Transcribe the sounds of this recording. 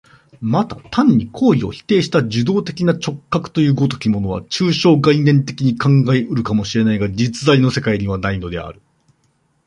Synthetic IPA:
mat̪at̪ãɲ̟ːikʰo̞ːio̞̰çi̥t̪e̞ːɕi̥t̪ad͡ʑɨd̪o̞ːt̪e̞kʲinat͡ɕo̞kːakɯ̟̥t̪o̞jɯ̟ːɡo̞t̪o̞̥kʲimo̞no̞βa̰t͡ɕɨːɕo̞ːɡainẽ̞nt̪e̞kʲiɲ̟ikãŋɡaeɯ̟ɾɯ̟kamo̞ɕiɾe̞naiɡad͡ʑit͡sɨzaino̞se̞kaiɲ̟iβanaino̞d̪e̞a̰ɾɯ̟̥

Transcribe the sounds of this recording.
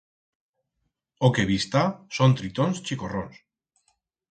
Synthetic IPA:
okeβist̪asont̪ɾit̪onst͡ʃikorons

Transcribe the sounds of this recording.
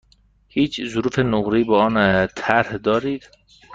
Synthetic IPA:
hiːt͡ʃʰzʊɾuːfenoɣɾiːbɒːɒːnt̪ʰæɾhd̪ɒːɾiːd̪̥

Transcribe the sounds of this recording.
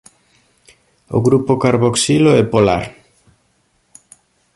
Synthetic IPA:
o̰ɣɾupokaɾβoksiloɛpola̰ɾ

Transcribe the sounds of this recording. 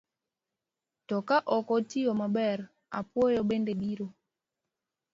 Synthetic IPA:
tɔkaʔɔkɔtiɔmabɛɾ | apwɔjɔɓendebiɾo

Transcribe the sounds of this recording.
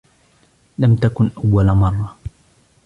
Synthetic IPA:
lamt̪akʊnʔawːalmɑrˤːɑ

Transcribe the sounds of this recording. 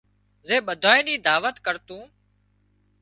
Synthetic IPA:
zeːɓəd̪ʱaːẽːniːd̪aːʋət̪kəɾt̪ũː

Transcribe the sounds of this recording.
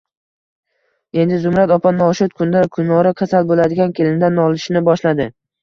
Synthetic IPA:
e̞nd̪ɪzʊmɾat̪ɒpʰanɒʃʊt̪̚kʰʊnd̪akʰʊnːɒɾɪkʲʰasalbolad̪ɪɡʲankʲʰelɪnd̪anɒlˠɪʃnɪbɒʃlad̪ɪ

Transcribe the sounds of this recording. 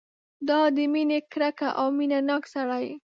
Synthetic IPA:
d̪ɑd̪əminekɾaka̰ʔawminanɑksaɽaj

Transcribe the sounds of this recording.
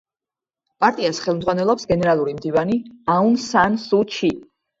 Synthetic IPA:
pʼaɾt̪ʼiasχɛlˠmd̪zʁwanɛlˠɔpsɡɛnɛɾalˠuɾimd̪ivaniaunsansut͡ʃʰi

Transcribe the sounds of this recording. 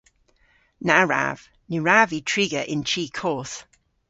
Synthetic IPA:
naɹa̰v̥ | niɹaːvitʰɹ̥iɡəʔɪ̃nt͡ʃʰiːkʰɔːˑθ

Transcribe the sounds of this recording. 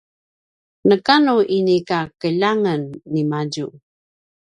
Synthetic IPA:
nəkanuʔinikakəʎaŋənːimaɟu

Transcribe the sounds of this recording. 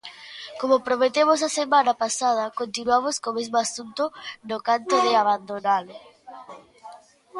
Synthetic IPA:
komopɾomet̪emos̬asemãnapasað̞ɐkont̪inwamoskomezmoasunt̪onokant̪oðɪaβand̪onalʊ

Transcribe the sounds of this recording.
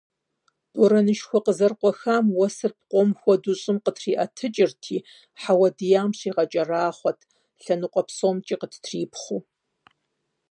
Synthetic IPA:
d̥ʼɔɾɐnɨʃxʷɔqəzɐrqʷʼɔxaːmwɔsɨrp̚qʷɔmxʷɔduɕʼɨmqətʰriːʔɐtʰɨt͡ʃʼɪrtʰiː | ħawɐdɨjaːmɕiːʁɐt͡ʃʼɐraːχʷɔtʰ | ɬɐnuqʷʼɔpsoːmt͡ʃʼiːqətʰtʰriːpχʷuː

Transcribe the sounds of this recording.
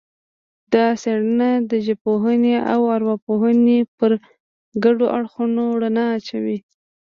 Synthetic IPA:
d̪̥ɑseɽənad̪əʒepoɦənea̰waɾwapoɦənepəɾ | ɡaɖoʔaɽxunoɽanaːt͡ʃawi

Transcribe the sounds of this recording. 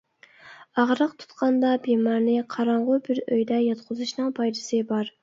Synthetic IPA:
ɑʁɾəqt̪ʰu̥t̪qʰɑnd̪ɑbemɑɾnɪqʰɑɾɑɴʁʊbɪɾøjd̪ɛjɑt̪̚qʰʊzuʃnɨŋpʰɑjlɨsɨbɑɾ

